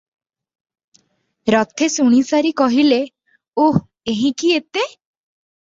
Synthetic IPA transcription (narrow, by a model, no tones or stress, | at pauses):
ɾɔt̪ʰesuɽ̃isaɾikɔɦile | oh | eɦĩkiet̪e